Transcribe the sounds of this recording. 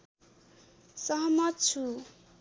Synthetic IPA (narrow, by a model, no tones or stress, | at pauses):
sʌɦmʌt̪̚t͡sʰu